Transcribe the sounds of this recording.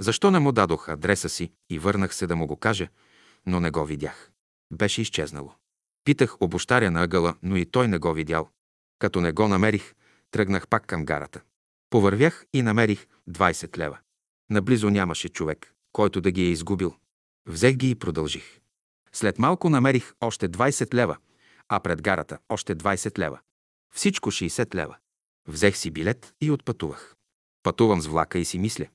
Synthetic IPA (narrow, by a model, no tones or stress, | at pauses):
zɐʃt̪ɔnɛmʊd̪ad̪oxɐd̪ɾɛsəsi | ivɤɾnəxsɛd̪ɐmʊɡokaʒɛ | nonɛɡɔvid̪ʲjax | bɛʃɛist͡ʃɛznɐ̰lˠo̰ | pit̪əxobʊʃt̪aɾʲiənɐəɡəlˠənoit̪ɔjnɛɡɔvid̪ʲa̰lˠ | kɐt̪ɔnɛɡɔnɐmɛɾix | t̪ɾɤɡnəxpakːɐmɡa̰ɾə̰t̪ə̥ | povɐɾvjaxinɐmɛɾix | d̪vajsɛt̪lɛ̰və | nɐblizʊnʲamɐʃɛt͡ʃovɛkː | ɔjt̪ʊd̪ɐɡiɛizɡubilˠ | vzɛxɡiːpɾod̪ɐlˠʒix | slɛt̪malˠkʊnɐmɛɾixɔʃt̪ɛd̪vajsɛt̪lɛvə | ɐpɾɛd̪ɡaɾɐ̰t̪əɔʃt̪ɛd̪vajsɛt̪lɛ̰və̰ | fsit͡ʃkoʃɛːsɛt̪lɛ̰və̰ | vzɛxsibilɛt̪iot̪̚pɐt̪uvə̰x | pɐt̪uvɐmzvlˠa̰kəisimislʲə